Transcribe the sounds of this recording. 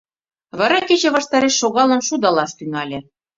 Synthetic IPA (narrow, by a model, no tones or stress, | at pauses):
βɑɾɑket͡ɕĕβɑʃt̪ɑɾeʃːoɣɑlɤ̆nʃud̪ɑlɑʃt̪ynɑlʲĕ